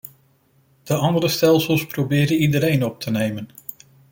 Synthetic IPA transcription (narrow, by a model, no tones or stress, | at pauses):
d̥əɑndəɾəstɛlˠsəlˠsprowbɪːdənidəɾejnɔp̚tʰənejmən